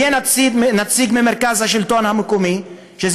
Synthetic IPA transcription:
eːnat̪inat̪siːɡmɪmɪɾkazhaʃɪlt̪oːnhamʊkuːmi | ʃɪz

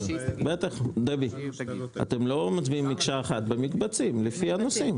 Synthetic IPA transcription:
bet̪aχd̪ebia̰t̪emlo̞mat͡sbiimːikʃaeχat̪̚bemikbat͡simlefianosim

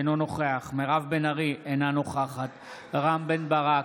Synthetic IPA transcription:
nono̞χeaχmeʁavbenaʁienano̞χaχat̪ | ʁambenbaʁa

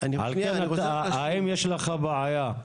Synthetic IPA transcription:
nʕa̰lkenaaimjeʃleχabaʕaja

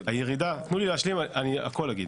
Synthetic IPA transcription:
ajeʁid̪at̪nulileaʃlimania̰ko̞laɡid

